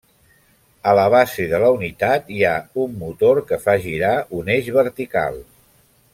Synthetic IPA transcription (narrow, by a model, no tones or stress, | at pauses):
ələβ̞asiðələunit̪at̪iaumːut̪oɾkəfaʒiɾauneʒβəɾt̪ika̰lˠ